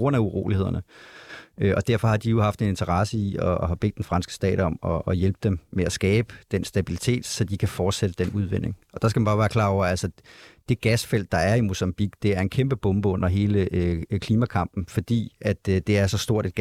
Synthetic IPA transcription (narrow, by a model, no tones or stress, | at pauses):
ɡ̥ʁɔ̽n̰æuʁo̝̰ːlihe̝ð̞̰ˠɐnə | øʔɒ̽d̥æɐ̰fɒ̽hɑ̈d̥ijo̝hɑ̈fd̥e̝ne̝nt͡sʰɐʁɑ̈səiɒɦæb̥e̝̰ːd̥enfʁɑ̈nsɡ̥ə̥sd̥ɛ̰ːɾ̥ɒ̽mɒ̽ːjelb̥əd̥emmeæsɡ̥ɛːb̥əd̥ensd̥æbilit͡sʰe̝̰ːd̥sɒ̽d̥ikʰæfɒːd̥sed̥əd̥enuðˠʋen̰e̝ŋɒ̽d̥ɑ̈s̬ɡ̥æmænb̥ɑ̈ːʋæːɐkʰl̥ɑ̰̈ːɒ̰ʊ̰ɐælsɐd̥e̝ɡ̥æsfel̰d̥ːɑ̈æɐimo̝sɑmb̥iɡ̥d̥e̝æɐe̝nkʰemb̥əb̥ɔ̽mb̥əɔ̽n̰ɐɦe̝ːləʔøkʰliːmækʰɑ̈m̰b̥n̩fɒ̽d̥ḭːʔæd̥d̥e̝æɐsɒ̽sd̥o̝ɐ̰ɾed̥̚ɡ̥